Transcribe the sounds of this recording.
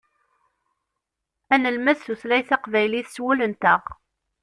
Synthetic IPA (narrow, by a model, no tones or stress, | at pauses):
ænəlmæθθuθlæjθɑqvæjliθswulənt̪əʁ